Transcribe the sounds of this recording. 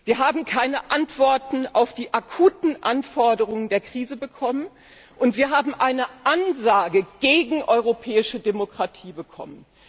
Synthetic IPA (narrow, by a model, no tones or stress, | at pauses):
v̥iːɐɦaːbm̩kʰaɪnəʔantv̥ɔɐtn̩aʊfd̥iːʔakʰuːtn̩ʔanfɔɐdəʁ̞ʊŋəndeːɐkʁ̥iːzəbəkʰɔmən | ʔʊntv̥iːɐɦaːbm̩ʔaɪnəʔanzaːɡəɡ̥eːɡŋ̩ʔɔʏʁopʰɛːɪʃədemokʁ̥atʰiːbəkʰɔ̰mən